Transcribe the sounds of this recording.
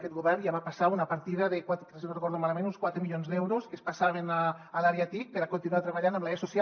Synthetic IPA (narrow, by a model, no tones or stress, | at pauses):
kɛt̪ɣuβɛrnjaβapasaunapaɾt̪iðaðekwat̪kɾeserekoɾðomalamẽnunskwat̪ɾemiʎonzd̪ɛwɾoskespasaβenaːlaɾeat̪ik̚peɾakont̪inuat̪ɾeβ̞aʎanamlajasosja